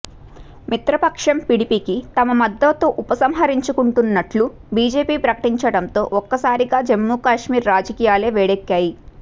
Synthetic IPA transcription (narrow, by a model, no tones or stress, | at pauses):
mit̪ɾɐpɐkʂɐmpiɽipiːkit̪ɐmɐmɐd̪ːɐt̪o̞ːʔupɐsɐmɦɐɾiɲt͡ʃukuɳʈunːɐʈlubiːd͡ʒe̞ːpiːpɾɐkɐʈiɲt͡ʃɐɽɐnt̪o̞ːʔɔkːɐsaːɾiɡaːd͡ʒemːuːkaːʂmiːɾːaːd͡ʒɐkiːjaːleːʋɛːɽekːaːji